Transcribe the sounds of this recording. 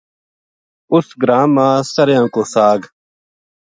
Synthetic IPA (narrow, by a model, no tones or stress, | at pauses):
ʊsɡɾaːmãːsəɾjãːkoːsaːɡ